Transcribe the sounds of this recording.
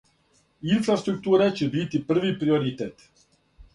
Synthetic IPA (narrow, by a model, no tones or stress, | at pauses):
infɾast̪ɾuk̚t̪uːɾet͡ɕebit̪ipr̩ʋipɾioɾit̪et̪